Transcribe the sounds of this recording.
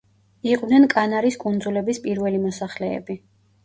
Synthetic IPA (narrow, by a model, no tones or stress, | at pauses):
iqʼwnɛnkʼanaɾiskʼund̪zulɛbispʼiɾvɛlimɔsaχlɛ̰ːbi